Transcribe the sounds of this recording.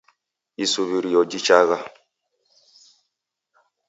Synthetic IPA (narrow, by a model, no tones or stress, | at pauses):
isuβiɾijɔd͡ʒit͡ʃaɣa